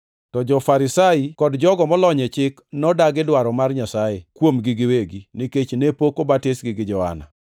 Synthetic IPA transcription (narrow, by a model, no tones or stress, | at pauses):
tɔd͡ʒɔfaɾɪsaikɔdd͡ʒɔɡɔmɔlɔɲɛt͡ʃɪknɔdaɡɪdwaɾɔmarɲasajekwomɡɪɡɪweɡiniket͡ʃnepokobatɪsɡɪɡɪd͡ʒɔha̰na̰